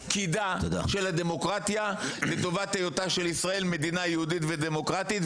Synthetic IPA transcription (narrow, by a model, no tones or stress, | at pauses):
kid̪at̪od̪a̰ʃe̞lad̪e̞mo̞kʁat̪jale̞t̪o̞vat̪ejot̪aʃelisʁae̞lme̞d̪inajehudit̪ved̪emo̞kʁat̪it̪